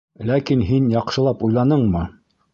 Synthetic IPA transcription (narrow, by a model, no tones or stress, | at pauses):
lækinɦinjɑqʃɤ̆lˠɑpujlˠɑnɤɴmɤ